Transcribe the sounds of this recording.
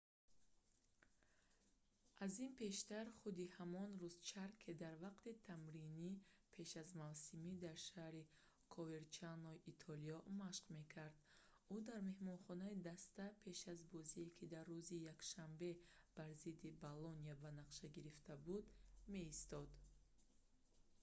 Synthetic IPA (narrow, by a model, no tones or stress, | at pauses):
azinpʰe̞ʃt̪aɾχud̪ihamɔnruzt͡ʃʰaɾkʰed̪aɾvaqt̪it̪ʰamɾinipʰe̞ʃazmavsimid̪aɾʃahɾi | kʰɔveɾt͡ʃanɔiʔit̪ʰɔliɔmaʃqme̞kʰaɾd̪ | ud̪aɾme̞hmɔnχɔnaid̪ast̪apʰe̞ʃazbɔziekʰid̪arːuzijakʃambe̞b̥aɾzid̪ibalɔniabanaqʃaɡiɾift̪ʰabud̪me̞ist̪ɔd̪